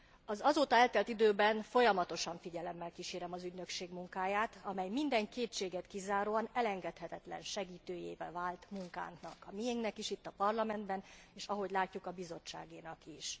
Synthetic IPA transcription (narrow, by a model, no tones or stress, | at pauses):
ɒzɒzoːt̪ɒɛlt̪ɛlt̪id̪øːbɛnfo̞jɒmɒt̪o̞ʃɒɱfiɟɛlɛmːɛlkiʃeːɾɛmɒzyɟnø̞kʃeːɡmuŋkaːjaːt̪ɒmɛjmind̪ɛŋkeːtt͡ʃeːɡɛt̪kizaːɾoːɒnɛlɛŋɡɛt̪hɛt̪ɛt̪lɛ̰nʃɛɡiːt̪øːjḛːvɛlvaːlt̪muŋka̰ːnnɒkɒmijeŋɡnɛkiʃit̪ːɒpɒrlɒmɛnd̪bɛneːʃɒɦo̞ɟlaːcːukɒbizo̞t͡ʃːa̰ːɡeːnɒkiʃ